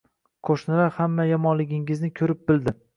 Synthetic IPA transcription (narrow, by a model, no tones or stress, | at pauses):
qʰoʃnɪɾahamːajamɒnlɪɡʲɪŋɪznɪkʲʰɵɾɪp̚bɪld̪ɪ